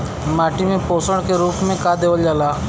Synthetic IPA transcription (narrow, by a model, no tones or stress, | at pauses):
maːʈimẽpoːsəɽ̃keɾuːpmẽkad̪eːʋəld͡ʒaːlaː